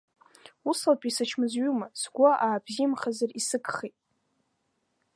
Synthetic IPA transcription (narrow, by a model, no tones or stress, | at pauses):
usalpʼisat͡ʃʰmɨzɥumasɡʷaʔaːbzimχazarisɨkʰʼχejtʼ